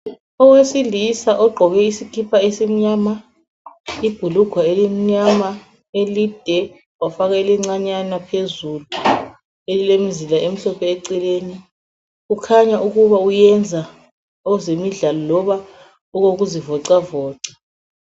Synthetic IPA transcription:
ɔwesilisaʔɔɡ͡ǃʱɔɣɛisikʰipʰaesim̩ɲaːma | ib̥ʱuluɡ̥ʱwaelim̩ɲama | elid̥ʱɛ | wafaɣailɛŋ͡ǀaɲanapʰezulu | elilemizilaʔem̩ɬɔpʰɛɛǀileːni | ɣukʰaɲaʔuɣuβaujɛnd͡zʱa | ɔzemiɮalɔlɔβa | uɣoɣ̬uzivɔǀavɔːǀa

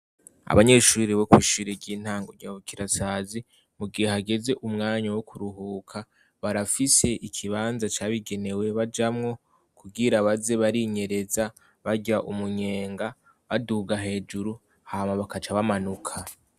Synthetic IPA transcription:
a̰βaɲe̞ʃuːɾiβo̞kwiːʃiɾeɟiːn̥haːŋɡojaβukiɾasaːzi | muɡihe̞ɦaɡe̞ze̞ʔumŋaːɲawokuɾuɦuːkʰa | βaɾafise̞ʔikʰiβaːnzat͡ʃaβiɡe̞ne̞we̞βad͡ʒamŋo̞ | kuɡiɾaβaze̞βaɾiɲe̞ɾe̞za | βaɟaʔumuɲe̞ːŋɡa | βaduːɡaɦe̞ːd͡ʒuɾu | haːmaβakat͡ʃaβamanukʰa

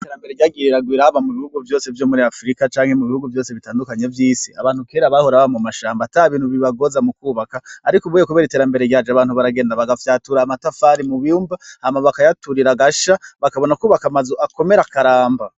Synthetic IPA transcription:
iteɾambe̞ɾeɟaːɡiɾiɾaɡwiːɾaβamuβihuɡuvjo̞ːse̞vjo̞ːmuɾiafɾikat͡ʃaːŋhe̞muβihuɡuvjo̞ːse̞βitaːndukaɲevjiːsia̰βaːn̥hukeɾaβahoɾaβamumaʃaːmbataɾaβiːnhuβiβaɡo̞zamukuːβakaːɾikoβujekuβeɾite̞ɾambe̞ɾeɡɟad͡ʒaβaːnhuβaɾaɡe̞ːndaβaɡafjaːtuɾaːmatafaɾimuβiumbaamaβakajatuɾiɾaɡaʃaβakaβo̞naukuːβakamazoako̞me̞ɾakaɾaːmba

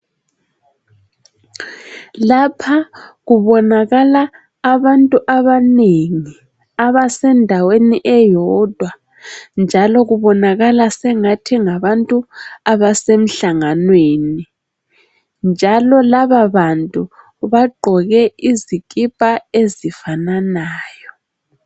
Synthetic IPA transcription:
lapʰaɣuβɔnaɣalaː | βantʼuʔaβaneŋi | aβasɛndʱaweniʔɛjɔd̥ʱwa | nd͡ʒʱalɔɣuβɔnaɣalasɛŋatʰiŋaβantʼuaβasem̩ɬaŋanweni | nd͡ʒʱalɔlaβaβantʼu | βaɡ͡ǃʱɔɣɛizikʼipʼaezifananaːjɔ

